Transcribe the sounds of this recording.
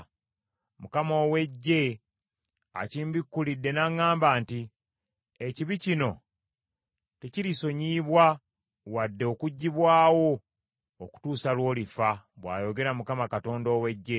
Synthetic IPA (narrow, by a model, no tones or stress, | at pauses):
mukamoːwe̞ɟːe̞ | a̰ciːmbikːulidːe̞naŋːaːmbaːnti | eciβicino̞ | te̞ciɾiso̞ɲiːβwa | wadːe̞okuɟːiβwaːwo̞ː | ku̥tuːsalwo̞ːlifaβwa̰ːjo̞ɡe̞ɾamukamakato̞ːndo̞ːwe̞ɟːe̞